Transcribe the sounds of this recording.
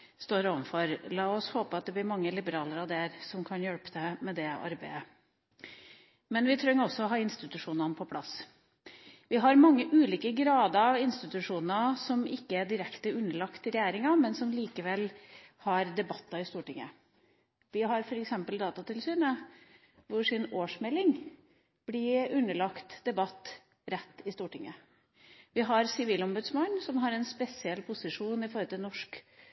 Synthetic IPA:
st̪oːɾoːʋənfɔɾlɑːɔshoːpəɑt̪̚d̪ɛblɪɾmɑŋːəlɪbəɾɑːləɾɑd̪æɾsɔmkʰɑnjœɽpəd̪ɛmɛd̪ɛɑ̰ɾbæɪə | mɛnʋɪt̪ʰɾœŋːɾɔsːɔɔɦɑːɪnst̪ɪt̪ʉʂuːnɑnəpʰɔpʰlɑ̰s | ʋɪɦɑɾmɑŋːəʔʉːliːkəɡɾɑːd̪ɑɑʋɪnst̪ɪt̪ʉʂuːnɑsɔmɪkːəæɖɪɾɛkt̪əʉnːəɭɑkt̪ɪɾɛjæːɾɪŋɑmɛnsɔmliːkəʋɛlhɑɾd̪ɛbɑt̪ːɑɪst̪uːʈɪŋːə̰ | ʋɪɦɑɾfɔɾɛksɛmpəld̪ɑːt̪ɑt̪ɪlsyːnə | ʋʊʂɪnoːʂmɛlɪŋ | b̥lɪʉnːəɭɑkt̪d̪̥ɛbɑt̪ː | ɾɛt̪ːɪst̪uːʈɪŋːə̰ | ʋɪɦɑɾsɪʋiːlɔmbʉd̪smɑnːsɔmɦɑɾɛnspɛsɪɛlpʰʊsɪʂuːnɪfɔɾɔt̪ʰɪlnɔʂk

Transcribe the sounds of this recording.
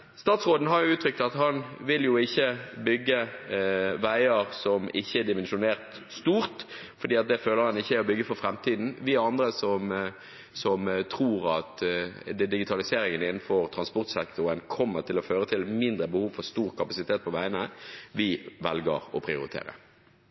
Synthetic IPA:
st̪ɑːt̪sʁoːd̪n̩ɦɑɾjʊʉːt̪ʰɾʏk̚t̪ɑt̪hɑnʋɪljʊɪçːəbʏɡːə | ʋæɪəʁsɔmɪçːəɛd̪ɪmɛnʃʊneːʁt̪ | st̪uːʁt̪ | fɔɾd̪iːɑt̪̚d̪ɛføːləɾhɑnɪçːəæɾɔbʏɡːəfɔɾfɾɛmt̪ʰiːd̪n̩ʋɪɑnd̪ɾəsɔm | sɔmt̪ʰʁuːʁɑt̪ | d̪ɪɡɪt̪ʰɑlɪseːɾɪŋənɪnːn̩fɔʁt̪ʰʁɑnspɔʁt̪sɛkt̪ʊʁənkʰɔmːəʁt̪ʰɪlɔføːɾət̪ʰɪlmɪnd̪ʁəbəhuːʋfɔʁst̪uːʁkʰɑpɑsɪt̪ʰeːt̪̚pʰɔʋæɪənəʋɪʋɛlɡə̰ʁɔ̰pʰʁɪʊɾɪt̪ʰḛːɾə̰

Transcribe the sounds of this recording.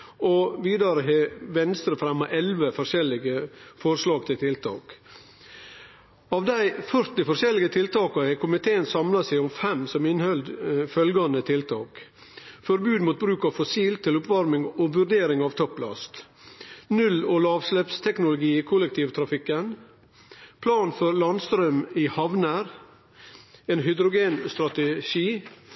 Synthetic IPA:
ɔʋiːd̪ɑɾəɦɛʋɛnst̪ɾəfɾɛmːɑʔɛlʋəfɔʂɛlɪɡəfɔɾslɑːɡt̪ʰɪlt̪ʰɪlt̪ʰɑ̰ːk | ɑːʋd̪æɪfœɾt̪ɪfɔʂɛlɪɡət̪ʰɪlt̪ɑːkɑɾhɛɪkʰʊmɪt̪ʰeːənsɑmlɑsæɪʊmfɛmsɔmɪnhœld̪fœlɡɑnd̪ət̪ʰɪlt̪ʰɑ̰ːk | fɔɾbʉːd̪muːt̪̚bɾʉːkɑʋfɔsiːlt̪ʰɪlʊpʋɑɾmɪŋoːʋʉɾɖ̪eːɾɪŋɑːʋt̪ʰɔplɑ̰st̪ | nʉlɔlɑːʋslɛpst̪ʰɛknʊlʊɡiːɪkʰʊlɛk̚t̪ʰiːʋt̪ʰɾɑfɪkːən | pʰlɑːnfɔɾlɑnst̪ɾœmɪhɑʋnəɾ | eːnɦʏd̪ɾʊɡeːnst̪ɾɑt̪əʃiː

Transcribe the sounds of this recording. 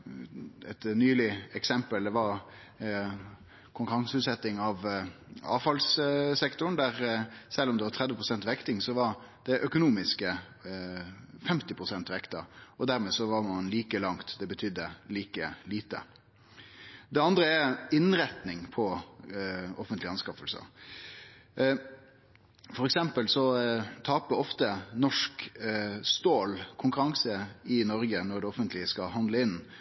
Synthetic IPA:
ɛt̪nyːlɪɛksɛmpəld̪ɛʋɑɾ | kʰʊŋkʉɾɑŋsəʉːt̪sɛt̪ːɪŋɑʋɑ̰ːʋfɑlssɛkt̪ʊn̩d̪æɾsɛlːɔmd̪ɛʋɑt̪ʰʁɛd̪ʋəpʰʁʊsɛnt̪ʋɛkt̪ɪŋsɔʋɑɾ | d̪̥ɛʔœkʊnuːmɪskə | fɛmt̪ɪpʰʁʊsɛnt̪ʋɛkt̪əɔd̪æɾmeːsɔʋɑɾmɑnliːkəlɑŋt̪d̪ɛbət̪ʰʏd̪ːəliːkəliːt̪ə̰ | d̪ɛɑnd̪ɾəɛɪnɾɛt̪nɪŋpʰɔ | ɔfənt̪lɪɑnskɑfəlsə̰ | fɔɾɛksɛmpəlsɔt̪ʰɑːpəɔft̪ənɔʂk | st̪oːlkʰʊŋkʉɾɑŋsəɪnɔɾɡənɔɾd̪ɛɔfənt̪ʰlɪəskɑɦɑnd̪ləɪnː

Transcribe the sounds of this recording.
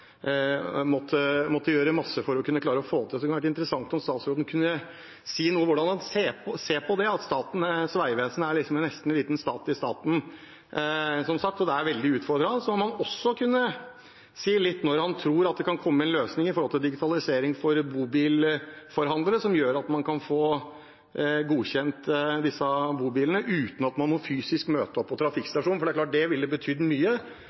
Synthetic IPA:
mɔt̪ʰːəmɔt̪ːəjøːɾəmɑsːəfɔɾɔkʰʉnːəklɑːɾəɔfoːt̪ʰɪlɔd̪ɛkʰnʋæːʈ̬ːəɪnt̪əɾəsɑŋt̪ɔmst̪ɑːt̪sɾuːd̪ən̩kʰʉnːə | siːnuːəʋʊɖɑndɑnseːpʰɔseːpʰɔd̪ɛɑt̪st̪ɑːt̪n̩sʋæɪʋeːsənəæɭɪksɔmɛnnɛst̪n̩ɛnliːt̪n̩st̪ɑːt̪ɪst̪ɑ̰ːt̪n̩ | sɔmsɑk̚t̪ɔd̪ɛæɾʋɛld̪ɪʉːt̪fɔɾɖ̪ɾɑsɔmɔmɑnɔsːɔkʰʉnːə | siːlɪt̪ːnɔɾhɑnt̪ʰɾuːɾɑt̪̚d̪ɛkʰɑnkʰɔmːəɛnløːsnɪŋɪfɔɾhɔlt̪ɪld̪ɪɡɪt̪ʰɑlɪseːɾɪŋfɔɾbuːbiːlfɔɾɦɑnd̪ləɾəsɔmjøːɾɑt̪mɑnkʰɑnfoː | ɡuːçɛnt̪d̪ɪsːəbuːbiːlənəʔʉːt̪n̩ɑt̪mɑnmɔfyːsɪskmøːt̪əɔpʰːɔt̪ʰɾɑfɪkst̪ɑʂuːnfɔɾɖæklɑːʈ̚ɖ̪ɛʋɪld̪əbət̪ʰyːd̪əmyːə

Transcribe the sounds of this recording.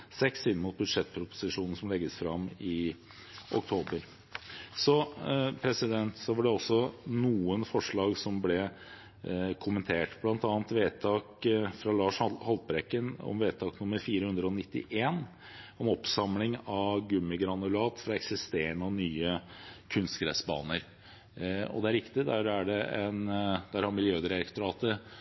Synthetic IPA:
sɛksɪnːəmʊt̪̚bʉd̪ʂɛt̪̚ːpʰɾʊpʊ̥sɪʂuːnn̩sɔmlɛɡːəsfɾɑmɪ | ʔɔk̚t̪ʰoːbəɾ | sɔpʰɾɛsɪd̪ɛnt̪sɔʋɑɖɛɔsɔnuːənfɔʂɭɑːɡsɔmblɛ | kʰʊmːənt̪ʰeːʈb̥lɑnt̪ɑːnt̪ʋeːt̪ʰɑːkfɾɑlɑːʂhhɑlt̪̚bɾɛkːənɔ̰mʋeːt̪ʰɑːknʊmːəɾfiːɾəhʉnd̪ɾəɔnɪt̪ːɪ̰ʔeːn | ɔmɔpsɑmlɪŋɑɡʉmːɪɡɾɑnʉlɑːt̪fɾɑɛksɪst̪eːəɳəɔnyːəkʰʉnst̪kɾɛsbɑ̰ːnəɾ | ɔ̰d̪ɛæɾɪkt̪ɪd̪æɾæɖɛɛnd̪̥æɾhɑɾmɪljøːd̪ɾɛɾɛkt̪ʊɾɑːt̪əɾ

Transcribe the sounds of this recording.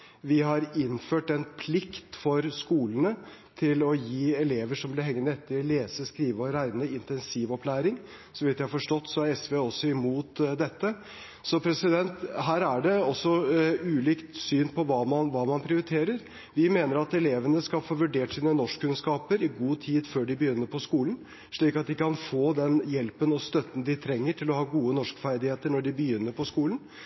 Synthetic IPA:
ʋɪɦɑɾɪnføːʈɛnpʰlɪkt̪fɔɾskuːlənə | t̪ʰɪlɔjiːɛleːʋəʂɔmblɪɦɛŋːənɛt̪ʰːɪleːsəskɾiːʋəɔɾæɪnəɪnt̪ɛnsiːʋɔpʰlæːɾɪŋ | sɔʋɪt̪jæɪɑfɔʂʈɔt̪ːsɔæɾɛsʋeːɔsːɔɪmuːt̪d̪ɛt̪ːə | sɔpʰɾɛsɪd̪ɛnt̪ɦæːɾæɖɛɔsːɔʉːliːkt̪syːnpʰɔʋɑːmɑnʋɑːmɑnpʰɾɪʊɾɪt̪ʰeːɾəɾ | ʋɪmeːnəɾɑt̪ɛleːʋənəskɑlfoːʋʉɖeːʈsiːnənɔʂkkːʉnskɑːpəɾɪɡuːt̪ʰiːd̪føːɖɪbəjʏnːəɾpʰɔskuːln̩ | ʂɭiːkɑt̪̚d̪ɪkːəkʰɑnfoːd̪ɛnjɛlpənɔst̪œt̪ːn̩d̪ɪt̪ʰɾɛŋːəʈʰɪlɔhɑːɡuːənɔʂkfæɾd̪ɪheːt̪əɳɔɖɪbəjʏnːəɾpʰɔskuːlən

